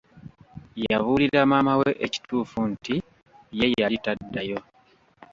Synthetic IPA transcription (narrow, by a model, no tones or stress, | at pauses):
jaβuːliɾamamawe̞ʔeci̥tuːfunti | je̞jalitadːajo̞